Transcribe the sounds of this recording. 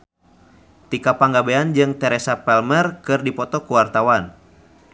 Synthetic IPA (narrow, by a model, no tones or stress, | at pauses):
t̪ikapaŋɡabeand͡ʒɨŋt̪ɛɾɛsapɛlmɛrkɨrdipɔt̪ɔkuwart̪awan